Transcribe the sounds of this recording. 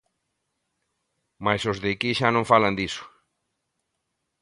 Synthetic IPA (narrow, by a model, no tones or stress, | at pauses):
majsozðekiʃanõɱfaland̪isʊ̥